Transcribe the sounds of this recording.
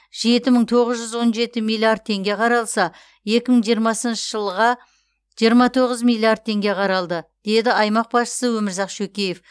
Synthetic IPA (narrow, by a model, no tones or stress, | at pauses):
ʒe̞t̪ɪməɴt̪ʰo̞ʁəzʒʏzwo̞nʒe̞t̪ɪmijlʲˠːiard̪̚t̪ʰe̞ŋɡʲe̞qʰɑɾɑlˠsɑ | je̞kʲɪməɴʒijəɾmɑsənʃəʒ̥əlˠʁɑ | ʒ̥ijəɾmɑt̪ʰo̞ʁəzmijlˠːiard̪̚t̪ʰe̞ŋɡʲe̞qʰɑɾɑlˠd̪əd̪̥e̞d̪ɪɑjmɑq̚bɑsʃə̥səwɵmɪɾzɑqʃɵkʲejef